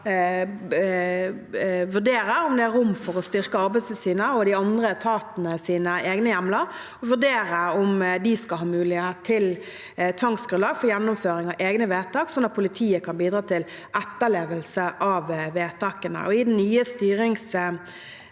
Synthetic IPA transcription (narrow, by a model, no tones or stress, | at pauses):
ʋʉdeːɾəɾʊmd̪ɛæɾːʊmːfɔɾɔst̪ʏɾkəɑɾbæɪsəsiːnəɔd̪ɪɑnd̪ɾət̪ʰɑːt̪nəsiːnəeːɡnəjæmlə | ɔʋʉɖeːɾəɔmd̪ɪskɑlɦɑːmʉːlɪhett̪ʰːɪl | t̪ʰʋɑŋsɡɾʉnɑːɡfɔɾjænːʊmføːɾɪŋɑʋʔeːɡnəʋeːt̪ʰɑːksɔnːɑt̪̚pʰʊlɪt̪ʰiːəkʰɑnbiːd̪ɾɑːt̪ʰɪl | ʔæt̪ːəleːʋəlsəʔɑʋʋeːt̪ʰɑːkənə̰ʔɔɪd̪ɛnnyːəst̪yːɾɪŋs